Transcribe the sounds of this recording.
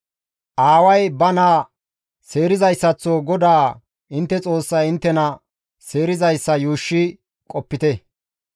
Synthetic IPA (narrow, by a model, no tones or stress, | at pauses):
ʔaːwɐjbɐnaː | se̞ːɾɪzɐjsːɐt͡sːoːɡɔd̪aː | ʔɪnt̪ːɛt͡sʼo̞ːsːɐjɪnt̪ːɛnɐ | se̞ːɾɪzɐjsːɐjuːʃːɪ | kʼɔpːɪt̪ɛ